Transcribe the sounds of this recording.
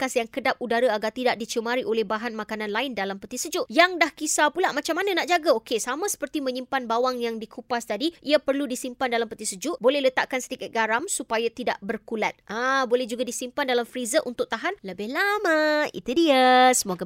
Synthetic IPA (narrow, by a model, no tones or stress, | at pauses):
kasjaŋkədap̚udaɾaaɡart̪idaʔdit͡ʃəmaɾiʔolɛhbaɦanmakanãnlaɪndalampət̪isəd͡ʒʊʔjaŋdahkisapulaʔmat͡ʃamːananaʔd͡ʒaɡaokesamãsə̥pərt̪imə̃ɲimpanbawaŋjaŋdikʰupast̪adiʔiapərludisimpandalampət̪isəd͡ʒʊʔbolɛhlət̪aʔkansə̥t̪ikat̪̚ɡaɾamsupajat̪ida̰ʔbərkulat̪̚ãbolɛhd͡ʒuɡadisimpandalamfɾizəʔunt̪ʊk̚t̪aɦanləbɪhlamãḭt̪udiasəmoɡa